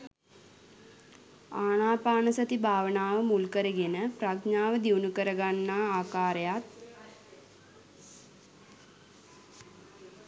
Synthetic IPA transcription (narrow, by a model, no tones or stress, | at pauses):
aːɳaːpaːnəsət̪ibʱaːʋənaːʋəmulkəɾəɡenəpraɡɲaːʋəd̪iwnukəɾəɡanːaːaːkaːɾəjat̪